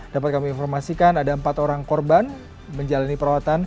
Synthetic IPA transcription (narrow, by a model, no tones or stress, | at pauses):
d̥apat̪̚kamiinfɔrmasikanadaəmpat̪oɾaŋkɔrban | məɲd͡ʒalanipəɾawat̪an